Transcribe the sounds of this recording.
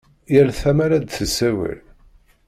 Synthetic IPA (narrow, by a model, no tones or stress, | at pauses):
jælθæmæɾæd̪θəsæwə̰l